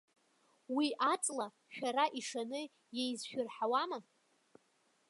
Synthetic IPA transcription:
wiʔat͡sʼla | ʃᶣaɾaʔiʂanɨ | jejzʃᶣʊrħawama

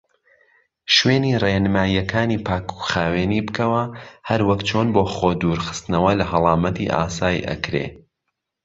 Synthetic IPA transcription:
ʃweːniːrenɨmaːjːɐkʰaːniːpʰaːku̥χaːweːniːbɨkɐwɐhɐɾwɐkt͡ʃʰoːnboːχoːd̪uːɾxɨ̥st̪nɐwɐlɐɦɐlˠɑːmɐt̪ḭʔa̰ːsaːjḭʔɐ̰kɾḛː

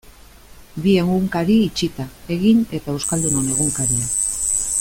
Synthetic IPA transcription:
bie̞ŋɡuŋkaɾiːt͡ʃit̪ae̞ɣine̞t̪ae̞wskald̪uno̞ne̞ɣ̞uŋkaɾia

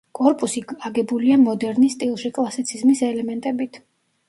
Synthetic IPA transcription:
kʼɔɾpʼusiaɡɛbuliamɔd̪ɛɾnist̪ʼilˠʃikʼlˠasit̪sʰizmisɛlɛmɛnt̪ʼɛbit̪ʰ

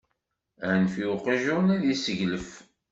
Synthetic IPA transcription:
ænfiuqiʒunæðisəʝləf

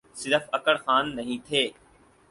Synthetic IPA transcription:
sɪd̪əfɐkəɽxaːnːɐɦĩt̪ʰeː

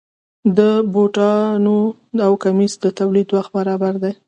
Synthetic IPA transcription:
d̪əboʈɑno | awkamisd̪ət̪awlid̪wax̚baɾɑbaɾd̪aj

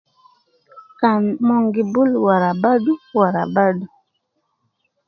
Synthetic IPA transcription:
kanmɔŋɡibulwaɾabaduwaɾa̰badu

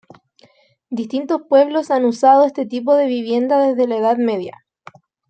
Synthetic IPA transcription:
d̪ist̪int̪o̞spwe̞βlo̞sanusaðoest̪e̞t̪ip̬o̞ðe̞βiβje̞nd̪aðe̞zðe̞laeðaðme̞ðja̰

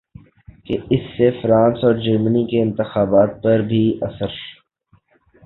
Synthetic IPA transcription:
keɪsːefɾãːnsɔːɾd͡ʒɐɾmənikeɪ̃nt̪ɪxaːbaːt̪̚pɐɾbʱiʔɐsəɾ

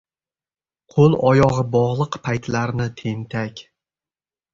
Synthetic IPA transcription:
qʰolˠɒjɒʁɨbɒʁlˠɨqpʰajt̪laɾnɪt̪ʰe̞nt̪ʰakʲ

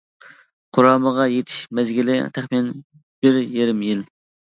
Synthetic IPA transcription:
qʰʊɾɑːməʁɑjet̪ʰi̥ʃmɛzɡʲilɪ̰t̪ʰæχminɛn | b̥ɪɾjeɾɪmjil

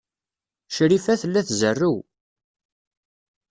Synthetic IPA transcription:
ʃɾifæθəlːæθzərːuw

